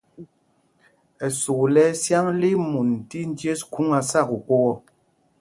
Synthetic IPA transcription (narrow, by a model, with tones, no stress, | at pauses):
ɛ˨su˨lɛ˦sja˦ŋle˦mu˨n̩˨ti˦n̩˦dje˦sku˦ŋa˨sa˦˨ku˨ko˦wɔ˦˨